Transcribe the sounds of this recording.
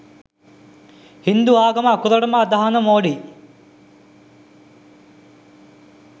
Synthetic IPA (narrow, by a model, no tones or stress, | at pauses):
hind̪uaːɡɐmaːkuɾɐɽɐmaːd̪aɦanəmoːɖi